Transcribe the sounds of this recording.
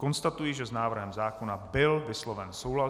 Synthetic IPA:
kɔnst̪at̪ujiʒɛznaːvr̩ɦɛmzaːkɔnabɪlvɪslɔʋɛnsoɦla

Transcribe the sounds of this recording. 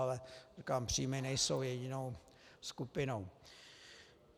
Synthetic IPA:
lɛikaːmpr̝̥iːmɛnɛjsowjɛɟɪnow | skupɪno̞w

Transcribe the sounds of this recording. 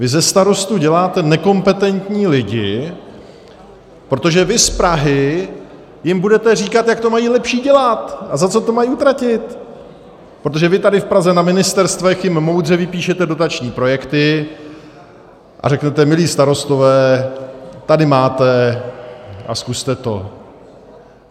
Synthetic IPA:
vɪzɛst̪aɾo̞st̪uɟɛlaːt̪ɛnɛko̞mpɛt̪ɛnt̪ɲiːlɪɟɪ | pɾo̞t̪o̞ʒɛvɪspɾaɦɪ | jɪmbudɛt̪ɛriːkat̪jak̚t̪o̞majiːlɛpʃiːɟɛlat̪ʔazat͡so̞t̪o̞majiʔut̪ɾacɪt̪ | pɾot̪o̞ʒɛvɪt̪adɪfpɾazɛnamɪnɪst̪ɛɾst̪vɛxjɪmːo̞wd̪r̝ɛvɪpiːʃɛt̪ɛdo̞t̪at͡ʃɲiːpɾo̞jɛkt̪ɪ | ʔa̰rɛknɛt̪ɛmɪliːst̪aɾo̞st̪o̞vɛː | t̪adɪmaːt̪ɛ | ʔa̰skust̪ɛt̪o̞̰

